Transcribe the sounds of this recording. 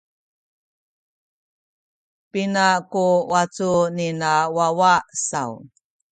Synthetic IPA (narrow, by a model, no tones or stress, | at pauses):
pinakuwat͡suninawawasa̰w